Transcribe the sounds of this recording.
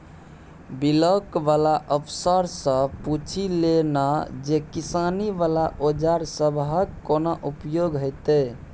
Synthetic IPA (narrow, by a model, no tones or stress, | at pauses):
biləkʋalaʔəpʰsəɾsə̃put͡ʃʰilenad͡ʒekisaniʋalaʔod͡ʒaɾsəbʱɦəkːonaʔupjoɡɦojt̪e